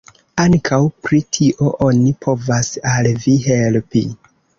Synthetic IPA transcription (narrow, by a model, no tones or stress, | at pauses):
aŋkʰawpɾitʰiʔo̞ʔonipʰo̞vasalviɦelpi